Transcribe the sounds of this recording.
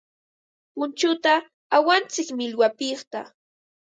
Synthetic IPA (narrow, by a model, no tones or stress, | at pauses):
pʊnt͡ʃʊt̪aː | want͡sɪkmɪlwapɪχt̪a̰